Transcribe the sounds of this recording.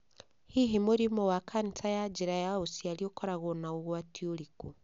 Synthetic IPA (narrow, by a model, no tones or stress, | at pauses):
hiɦimuɾimowakʰanitajad͡ʒiɾajausialiokoɾaɣonauɣwatioliku